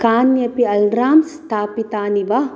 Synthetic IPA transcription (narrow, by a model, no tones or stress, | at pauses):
kaːnjɐpiɐlɾaːmst̪ʰaːpit̪aːniʋa